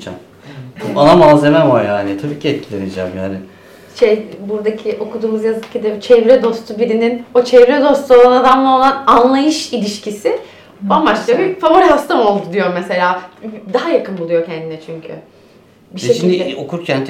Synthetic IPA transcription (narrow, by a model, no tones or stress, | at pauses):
t͡ʃa̰ | anamazemɛmajaːnɪt̪ʰabiːcʰiɛt̪̚cʰilʲened͡ʒæmjaːnɪ | ʃejbuɾd̪acʰiʔo̞kʰud̪uːmuzjazɯkcʰːid̪ɛt͡ʃʰɛvɾɛd̪o̞st̪ʰubiɾininot͡ʃʰɛvɾɛd̪o̞st̪ʰuo̞lˠanad̪amlˠao̞lˠananlˠajɯʃilʲiʃcʰisɪ | bambaʃlˠabifavo̞ɾiɦast̪amo̞lˠd̪ud̪ijo̞mɛse̞lʲaːd̪aɦajakʰɯnbulˠujo̞cʰɛnd̪inɛt͡ʃʰyɲcʰy̰ | biʃeʃimd̪iokuɾcʰænʰ